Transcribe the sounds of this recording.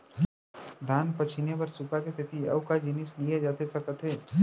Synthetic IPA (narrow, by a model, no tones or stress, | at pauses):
d̪ʱaːnpɐt͡ʃʰinepɐɾsupakest̪ɪt̪iɐ̰ʊkad͡ʒɪnɪslied͡ʒaːt̪esɐkət̪ɦɛː